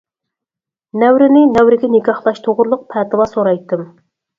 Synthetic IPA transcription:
nɛwɾɪnɪnɛwɾɪɡʲɛnɪkʲɑχlˠɑʃt̪ʰoʁʊɾlˠʊq̚pʰɛːt̪ɨlˠɑsoɾɑjt̪ːɨm

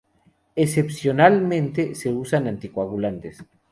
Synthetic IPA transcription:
esepsjonalmẽnt̪ese̞usanãnt̪ikwaβulant̪es

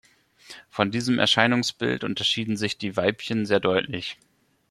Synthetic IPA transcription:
fɔndiːzəmʔɛ̰ɐʃaɪnʊŋsb̥ɪ̰ltʔʊ̰ntɐʃiːdn̩zɪçd̥iːvaɪpçənzeːɐdɔʏtʰlɪ̰ç

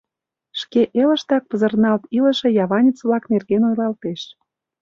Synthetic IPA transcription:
ʃkeʔelə̆ʃt̪ɑk̚pəzə̆rnɑlt̪ilə̆ʃĕjɑβɑnʲit͡sβlɑknerɣenojlɑlt̪eʃ

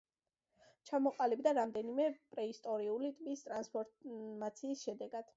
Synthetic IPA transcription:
t͡ʃʰamɔqʼalibd̪aɾamd̪ɛnimɛpʼɾɛist̪ʼɔɾiulit̪ʼmist̪ʼɾanspʰɔɾmat̪sʰiːsʃɛd̪ɛɡad̪̥

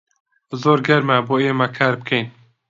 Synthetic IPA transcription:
zoːɾɡɛɾmɛboeːmækʰaɾbkʰejn

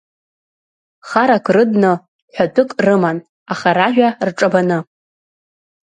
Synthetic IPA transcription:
χaɾakʷʰrɨdnɨ | ħʷᶣadʰɨkʼrɨman | aχaɾaʒᶣʷarʈ͡ʂʼabanɨ

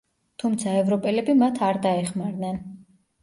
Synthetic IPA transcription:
t̪ʰumt̪sʰaɛvɾɔpʼɛlɛbimat̪ʰaɾd̪aɛχmaɾnɛn

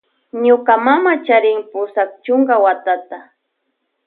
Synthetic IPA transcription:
ɲʊkamamat͡ʃaɾɪŋpʊsak̚t͡ʃʊŋɡawat̪at̪a

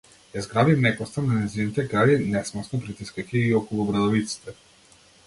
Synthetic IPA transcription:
jazɡɾavimnɛkɔst̪ananɛzinit̪ɛɡɾalinɛsmɔsnɔpɾit̪iskakiːɔkɔlˠubɾad̪ɔvit̪si̥t̪ɛ

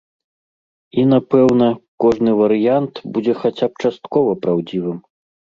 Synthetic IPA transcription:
inapɛwnɐkɔʐnɨvɐɾɨjant̪bud͡zʲɛxat͡sʲap̚t͡ʂast̪kɔvɐpɾawd͡zʲivɨm

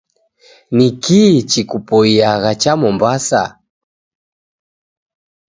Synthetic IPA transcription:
nikit͡ʃikupɔiaɣat͡ʃamɔmbasa̰

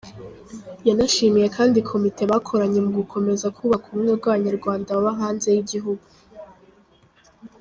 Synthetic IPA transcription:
janaʃiːmije̞kʰaːndikʰo̞mitʰe̞βakʰo̞ɾaɲe̞muɡukʰo̞me̞zakʰuβakumuɲoɾɡwaβaɲaɾɡwaːndaβaβaŋaːnze̞jiɟiɦuɡu

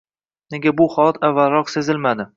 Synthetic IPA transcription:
ne̞ɡʲabʊhɒlat̪ʰavːalɾɒqse̞zɪlmad̪ɪ

